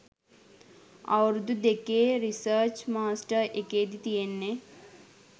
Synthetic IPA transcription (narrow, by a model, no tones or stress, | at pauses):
a̰ɾd̪ud̪ekeɾisəːt͡ʃmaːsʈəɾʔekeːd̪it̪ijenːe